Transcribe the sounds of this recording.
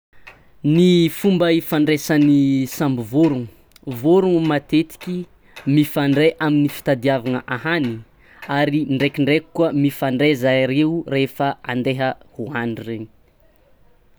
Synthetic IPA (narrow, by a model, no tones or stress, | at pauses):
nifumbəifaɳɖ͡ʐesanisambivoɾuŋu | voɾuŋmat̪et̪i̥kʲi | mifaɳɖ͡ʐeʔaminifi̥t̪ad̪iavaŋəʔahani | aɾiɳɖ͡ʐekiɳɖ͡ʐeku̥kwəmifaɳɖ͡ʐezajɾeurefəa̰nd̪eɦəhuaɳɖ͡ʐireɲ